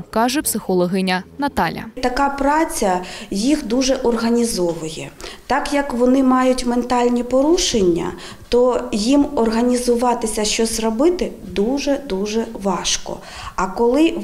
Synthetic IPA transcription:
kɑʒɛpsɪxɔlˠɔɦɪnʲɐnɐt̪ɑlʲɐ̰t̪ɐkɑpɾɑt͡sʲɐjixd̪uʒɛʔɔrɦɐnʲizɔʋʊjɛt̪ɑkjɐkʋɔnɪmɑjʊtʲment̪ɑlʲnʲipɔɾuʃenʲːɐ̰ | t̪ɔjimɔrɦɐnʲizʊʋɑt̪ɪsʲɐʃt͡ʃɔzrɔbɪt̪ɪ | d̪uʒɛd̪uʒɛʋɑʃkɔ̰ | ɐkɔlˠɪ

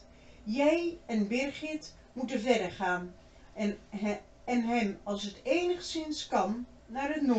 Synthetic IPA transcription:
jɛjɛnbɪrχɪt | mutəvɛdəχaːn | ɛnɦɛmɑlˠsətejnəχsɪnskɑnː | aːrɦətno

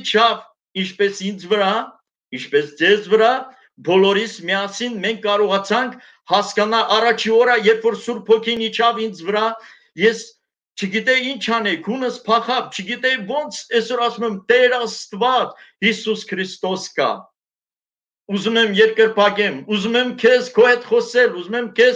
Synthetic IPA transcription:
t͡ʃʰɑv | int͡ʃʰpɛsind͡zvəɾɑ | int͡ʃʰpɛsd͡zɛzvəɾɑ | bɔlɔɾismiɑsinmɛŋkʰːɑɾɔʁɑt͡sʰɑŋkʰ | hɑskɑnɑʔɑrɑt͡ʃʰiɔɾəjɛɾpʰfɔɾsuɾpʰɔkʰinit͡ʃʰɑvind͡zʰvəɾɑ | jɛs | t͡ʃʰəɡit̪ɛint͡ʃʰɑnɛkʰhunəspʰɑχɑvt͡ʃʰəɡit̪ɛvɔnt͡sʰɛsɔɾɑsumɛmt̪ɛɾɑst̪vɑt͡shisuskʰɾist̪ɔskɑ̰ | uzumɛmjɛɾkəɾpʰɑkɛmuzumɛmkʰɛzkʰɔhɛt̪χɔsɛluzumɛmkʰɛz

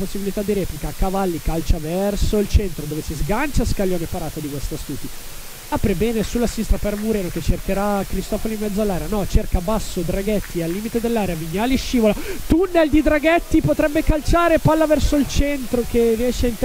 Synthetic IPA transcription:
posːibilit̪ad̪ːiɾɛːplikakavalːikalt͡ʃavɛrsoilt͡ʃent̪ɾod̪oːvesizɡant͡ʃaskalːjoːnepaɾaːt̪ad̪ikwest̪ast̪uːt̪i | apɾebɛːnesulːasinist̪ɾapɛɾmuɾeːnok̟et͡ʃːerkeɾakɾist̪ɔfolimːɛd̪zːoalːaːɾeanɔt͡ʃerkabasːod̪ɾaɡɛt̪ːialːiːmit̪ed̪elːaːɾeaviɲːaːlieʃːiːvolat̪unːeld̪id̪ɾaɡɛt̪ːipot̪ɾɛbːekalt͡ʃaːɾepalːavɛrsoilt͡ʃɛnt̪ɾokevɛːt͡ʃeint̪

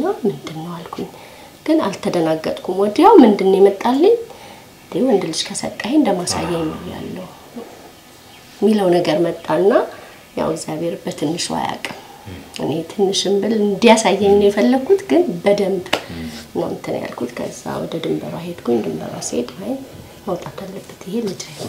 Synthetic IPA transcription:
namɨnd̪ɨnːəwalkʷʰuɲ | ɡ̥ɨnalt̪ʰːəd̪ənaɡːət̪ʼkʰʷumwɔd̪ijawmɨnd̪ɨnːjɛmət̪ʼːalːəɲ | nd̪ewɔnd̪ɨlɨʃkʰasə̰kʼːahend̪əmasa̰jːɛnːəwja̰lːəhu | mːiləwnəɡəɾmət̪ʼːanːa | ja̰wəɡzjaβeɾbət̪ʰɨnːɨʃwa̰ja̰kʼʔɨ̰ne̞t̪ʰɨnːɨʃɨmbɨlɨnd̪ijasajːɛɲːjɛfəlːəɡʰut̪ɡɨnbəd̪əmbnːa̰mɨt̪ʰːən̰ja̰lkʰut̪kʰə̰zːa̰wɔ̰d̪əd̪ɨmbəɾa̰ɦet̪ɡoɲd̪ɨmbə̰ɾa̰set̪wajn | məwt̪ʼat̪ʰalːəbːət̪ɪhe̞lɨd͡ʒaj

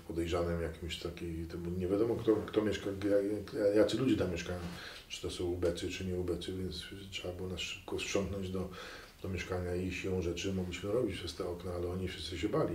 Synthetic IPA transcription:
pɔd̪ɛjʐanɛmjakʲimɕt̪ʰakʲit̪ɔbɲɛvʲjad̪ɔmɔkt̪ɔkt̪ɔmʲjɛʂkajajajat̪ɘlud͡ʑɛt̪amʲjɛʂkajɛ̃w | ʈ͡ʂɨ̥t̪ɔsɔ̃wubɛt̪sɨt͡ʂɘɲɛubɛt̪sɨvʲjɛnt̪stʂɛbabɘwɔnasʂɘ̥p̚kɔsʂɔŋknɔ̃ɲd͡ʑd̪ɔ | d̪̥ɔmʲjɛʂkaɲaiɕilɔ̃w̃ʐɛt͡ʂɘmɔɡlʲiɕmɘɾɔbʲit͡ɕpʂɛst̪ɛɔknaalɛɔɲifʂɨ̥st̪sɨɕ̬ɛbalʲi

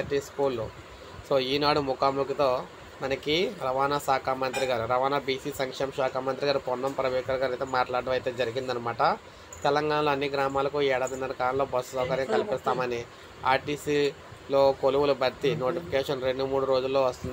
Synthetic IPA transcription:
ɐʈiːskuːlːu | so̞ːiːnaːɽumukaːmukit̪o̞ː | mɐnɐkiɾɐʋaːnaːsaːkaːmɐnt̪ɾiɡaːɾuɾɐʋaːnaːbiːsiːsɐŋkʂɛːmɐʃaːkaːmɐnt̪ɾiɡaːɾupɔnːɐmpɾɐʋɛːkɐɾɡaːɾɐjt̪eːmaːʈlaːɽɖɐʋmɐjt̪e̞ːd͡ʒɐɾiɡind̪ɐnɐmaːʈɐ | t̪ɛlɐŋɡaːɳɐloːɐnːiɡɾaːmaːlɐkuɛːɽaːd̪ɐnːɐnɐkaːlɐnloːbɐsːusɐːkɐɾjɐmkɐlipist̪aːmɐni | a̰ːɾʈiːsiː | lo̞ːkoluʋulubɐɾt̪ino̞ːʈipʰikeːʂɐnɾe̞ɳɖumuːɽuɾoːd͡ʒulːoːʋɐst̪und̪i

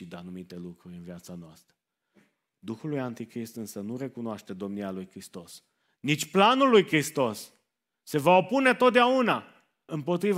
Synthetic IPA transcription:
id̪anumit̪e̞lukɾuɾʲɨnviat̪sanoast̪ɾə | d̪uxulujant̪ikɾist̪ɨnsənuɾe̞kunoaʃt̪e̞d̪o̞mnialujkɾist̪o̞s | nit͡ʃʲplanulːujkɾist̪o̞sː | e̞vao̞pune̞t̪ot̪̚d̪eauna | ɨmpo̞t̪ɾiv

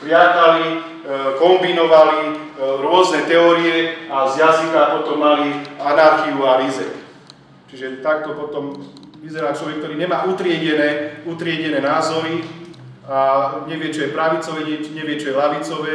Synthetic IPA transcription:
pɾɪat̪ali | kɔmbinɔʋali | ɾʊɔznɛt̪ɛɔːɾiɛazjazikapɔt̪ɔmːalianaɾxiualizɛ̰k | t͡ʃiʒɛt̪ak̚t̪ɔpɔt̪ɔmʋizɛɾaːt͡ʃlɔʋɛk̚t̪ɔɾiːɲɛmaːʔut̪ɾɪɛɟɛnɛːut̪ɾɪɛɟɛnɛːnaːzɔɾi | aɲɛʋɪɛt͡ʃɔjɛpɾaʋit͡sɔʋɛɲɛɲɛʋɪɛt͡ʃɔjɛlaʋit͡sɔʋɛː

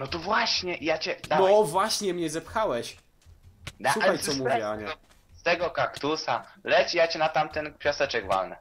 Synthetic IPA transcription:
nɔt̪ɔvwaɕɲɛʔijat͡ɕɛd̪aɔvwaɕɲɛmɲɛzɛpxawɛɕ | d̪asuaxajtsɔmuvʲjɛaɲɛ | st̪ɛɡɔkakt̪usa̰lɛt͡ɕijat͡ɕɛnat̪amt̪ɛnpʲjasɛt͡ʂɛɡva̰lnɛ

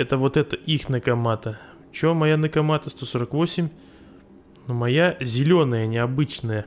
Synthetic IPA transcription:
ɛt̪əvo̞t̪ɛt̪əʔixnəkɐmat̪ə | t͡ɕomɐjanəkɐmat̪əst̪o̞so̞ɾəkvosʲɪmʲ | numɐjazʲɪlʲonəjənʲɪɐbɨt͡ɕnəjə

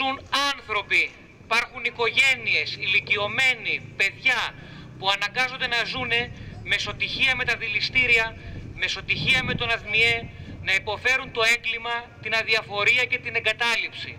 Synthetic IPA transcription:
unɐnθɾo̞pi | pɐɾxuniko̞ʝe̞nie̞silicio̞me̞nipe̞ðʝɐpuɐnɐŋɡɐzo̞nd̪e̞nɐzune̞me̞so̞t̪içiɐme̞t̪ɐðilist̪iɾiɐme̞so̞t̪içiɐme̞t̪o̞nɐθmie̞nɐipo̞fe̞ɾunt̪o̞e̞ŋɡlimɐt̪inɐðiɐfo̞ɾiɐce̞t̪ine̞ŋɡɐt̪ɐlipsḭ

